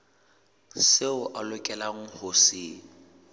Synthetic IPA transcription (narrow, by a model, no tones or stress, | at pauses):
seʊʔalʊkʼɛlaŋ̩hʊsɪː